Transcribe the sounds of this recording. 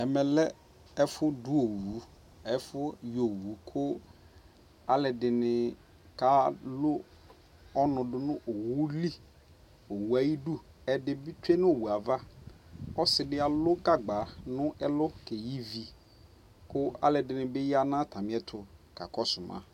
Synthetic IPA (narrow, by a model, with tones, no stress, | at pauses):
ɛ˨mɛ˨lɛ˦ | ɛ˦fʊ˦du˦o˨wu˨˦ | ɛ˦fʊ˦jo˨wu˨˦kʰʊ˦ | a˦lɛ˨dɪ˨nɪ˨ | ka˦lʊ˦ | ɔ˦nʊ̃˨dʊ˨nʊ̃˦ʔo˨wu˦li˦ | o˨wu˨a˨ji˦du˦ | ɛ˨dɪ˨bɪ˦tʰe˦nʊ̃˦o˨wu˨a˨va˦ | ɔ˦sɪ˨dɪ˦a˨lʊ˦ɡa˦ɡ͡ba˨nʊ̃˦ʔɛ˦lʊ˦kɛ˨ji˦vi˨ | kʊ˦a̰˦lɛ˨dɪ˨nɪ˨bɪ˦ja˦nã˦tʰa˨mɪ̃˨˦ɛ˦tʰʊ˨ka˨kɔ˦sʊ˨mã̰˨